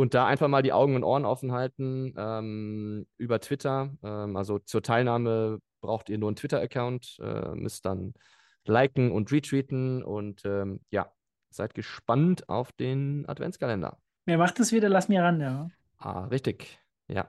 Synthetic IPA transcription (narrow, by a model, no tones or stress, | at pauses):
ʔʊnt̚d̥aːʔa̰ɪnfaχmaːldiːʔa̰ʊɡŋ̩ʊntʔoːɐənʔɔfn̩ɦaltn̩ʔɛːmʔyːbɐtv̥ɪtʰɐʔɛːmʔalzot͡suːɐtʰaɪlnaːməb̥ʁaʊxtiːɐnuːɐntv̥ɪtɐəkʰaʊntʔɛ̰ːmʔʏ̰st̚d̥an | laɪkŋ̩ʊntʁiːtʁ̥iːtn̩ʊ̰ntʔɛːmja̰ː | z̥aɪt̚ɡ̥əʃpanta̰ʊfd̥eːnʔa̰tv̥ɛ̰nskalɛndɐ̰ | miːɐmaχtasv̥iːdɐlasmiʁanja | ʔa̰ːʁɪçtɪç | ja̰ː